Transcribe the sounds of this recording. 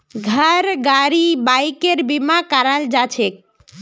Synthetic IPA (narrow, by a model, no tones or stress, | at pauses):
ɡʱəɾɡaɾibajkeɾbimakaɾald͡ʑat͡ɕʰek̚